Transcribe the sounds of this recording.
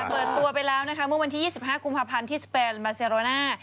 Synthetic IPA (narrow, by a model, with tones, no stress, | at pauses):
pɤː˨˩t̪ːu˧ɐpa˧jlɛː˦˥wna˦˥kʰa˦˥mɯ˥˩əwa˧nt̪ʰiː˥˩jiː˥˩si˨˩p̚ɦaː˥˩ku˧mpʰaː˧pʰa˧nt̪ʰiː˥˩speː˧nmaː˧seː˧ɾoː˧naː˥˩